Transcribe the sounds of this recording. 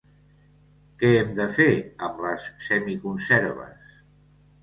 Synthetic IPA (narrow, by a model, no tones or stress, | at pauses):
kɛɛmd̪əfeəmləsːɛmikunsɛɾβə̰s